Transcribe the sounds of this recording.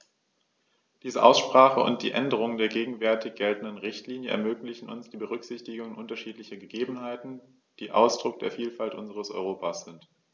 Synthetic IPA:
d̥iːzəʔa̰ʊsʃpʁ̥aːχəʊ̰nt̚d̥iːʔɛndəʁ̞ʊŋəndeːɐɡeːɡŋ̩vɛɐtɪçɡ̥ɛltn̩dənʁɪçtliːnjəʔɛ̰ɐmøːklɪçn̩ʊ̰nsd̥iːbəʁ̞ʏkz̥ɪçtɪɡʊŋənʔʊntɐʃiːtlɪçɐɡəɡeːbm̩haɪtn̩ | d̥iːʔa̰ʊsd̥ʁʊk̚d̥ḛːɐfiːlfaltʔʊnzəʁ̞əsʔɔ̰ʏʁoːpʰasz̥ɪnt

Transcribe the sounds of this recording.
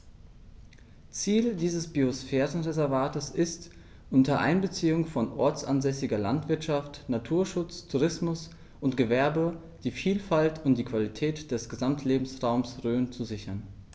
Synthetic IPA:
t͡siːldiːzəsb̥iosfɛːʁən̩ʁezɛɐvaːtəsɪst | ʔʊntɐʔa̰ɪnbət͡siːʊŋfɔnʔɔɐt͡sʔa̰nzɛsɪɡɐlantv̥ɪɐtʃaftnatʰuːɐʃʊt͡stʰuʁɪsmʊs | ʔʊntɡ̥əvɛɐbə | d̥iːfiːlfaltʰʊntd̥iːkv̥alitʰɛːtd̥ɛsɡ̥əzamtʰleːbm̩sʁaʊmsʁøːnt͡suzɪçɐn

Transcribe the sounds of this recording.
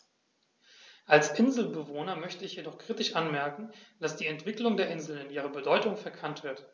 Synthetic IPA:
ʔalsʔɪnzl̩bəvoːnɐmœçtəɪçjedɔχkʁ̥iːtɪʃʔanmɛɐkŋ̩d̥asd̥iːɛntv̥ɪklʊŋdeːɐʔɪnzl̩nɪnʔiːʁ̞əbədɔʏtʊŋfɛɐkʰantv̥ɪɐt

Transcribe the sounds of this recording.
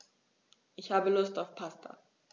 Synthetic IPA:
ʔɪçhaːbəlʊstaʊfpʰastʰa̰

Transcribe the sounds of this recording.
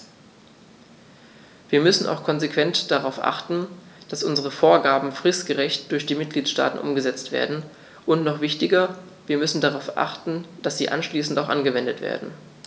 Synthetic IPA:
viːɐmʏsn̩ʔa̰ʊxkʰɔnzekv̥ɛntd̥aʁaʊfʔa̰χtn̩d̥asʔʊnzəʁəfoːɐɡaːbm̩fʁ̥ɪstɡ̥əʁɛçtd̥ʊɐçd̥iːmɪt̚ɡ̥liːtʃta̰ːtn̩ʔʊ̰mɡəzɛt͡stv̥ḛːɐdn̩ | ʔʊntnɔχv̥ɪçtɪɡɐ | viːɐmʏsn̩daʁaʊfʔa̰χtn̩d̥asz̥ḭːʔa̰nʃliːsn̩taʊxʔa̰nɡəvɛndətv̥ḛːɐdn̩

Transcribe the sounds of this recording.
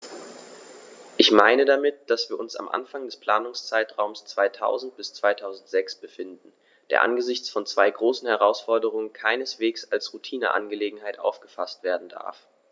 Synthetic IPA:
ʔɪçmaɪnədamɪt̚d̥asv̥iːɐʔʊnsa̰mʔa̰nfaŋdɛspʰl̥aːnʊŋst͡saɪtʁ̥aʊmst͡sv̥aɪtʰa̰ʊzn̩t̚b̥ɪst͡sv̥aɪtʰaʊzn̩tz̥ɛksb̥əfɪndn̩ | d̥eːɐʔa̰nɡəzɪçt͡sfɔnt͡sv̥aɪɡʁoːsn̩hɛʁaʊsfɔɐdəʁ̞ʊŋənkʰaɪnəsv̥eːksalsʁutʰiːnə̰ʔa̰nɡəleːɡŋ̩ɦaɪtʔa̰ʊfɡ̥əfastv̥eːɐdn̩da̰ɐf

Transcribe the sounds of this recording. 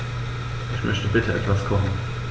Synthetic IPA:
ʔɪçmœçtəbɪtʰəʔɛ̰tv̥askʰɔχn̩

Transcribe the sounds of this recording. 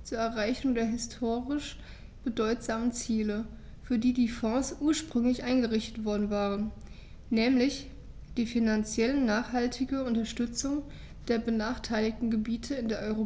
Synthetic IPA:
t͡suːɐɛɐʁaɪçʊŋdeːɐɦɪstʰoːʁɪʃ | b̥ədɔʏtz̥aːmənt͡siːlə | fyːɐdiːdiːfɔ̃ːsʔuːɐʃpʁ̥ʏŋlɪçʔaɪnɡəʁɪçtə̥tv̥ɔɐdn̩vaːʁənː | ɛːmlɪç | d̥iːfinant͡sjɛlənnaːχhaltʰɪɡəʊntɐʃtʏt͡sʊŋ | d̥eːɐbənaːχtʰaɪlɪktn̩ɡəbiːtʰəɪndeːɐʔɔʏʁo

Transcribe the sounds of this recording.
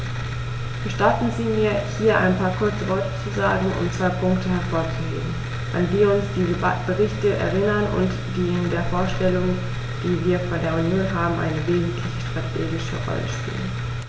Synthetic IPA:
b̥əʃtaɐtn̩ziːmiːɐhiːɐʔa̰ɪnpʰaːɐkʰʊɐt͡səvɔɐtə̥t͡suzaːɡŋ̩ʊ̰mt͡sv̥aɪpʰʊŋktəhɛɐfoːɐt͡suɡḛːən̩ | ʔanviːɐʊnsd̥iːəb̥əʁɪçtəʔɛ̰ɐʁɪnɐnʊ̰nt | d̥iːɪndeːɐfoːɐʃtɛlʊŋ | d̥iːviːɐfoːɐdeːɐunjoːnɦaːbm̩ʔa̰ɪnəveːzn̩tʰlɪçə̥ʃtʁ̥atʰḛːɡɪʃə̰ʁɔ̰lə̰ʃpḭːlə̰n

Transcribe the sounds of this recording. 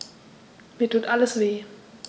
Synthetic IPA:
miːɐtʰuːtʔaləsv̥eː

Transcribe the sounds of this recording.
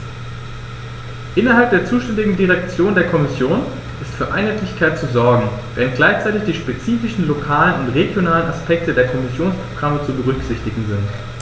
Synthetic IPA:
ʔɪnɐɦalp̚d̥eːɐt͡suːʃtɛndɪɡŋ̩diʁɛkt͡sjoːndeːɐkʰɔmɪsjoːn | ʔɪstfyːɐʔa̰ɪnɦaɪtlɪçkʰaɪtt͡suzɔɐɡŋ̩v̥eːʁənt̚ɡ̥laɪçt͡saɪtɪçd̥iːʃpet͡siːfɪʃn̩lokʰaːlənʊntʁeɡjonaːlənaspʰɛk̚tədeːɐkʰɔmɪsjoːnspʁ̥oɡ̥ʁamət͡subəʁ̞ʏkz̥ɪçtɪɡŋ̩zɪnt

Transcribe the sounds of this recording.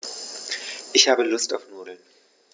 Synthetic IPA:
ʔɪçhaːbəlʊstʔa̰ʊfnuːdl̩n

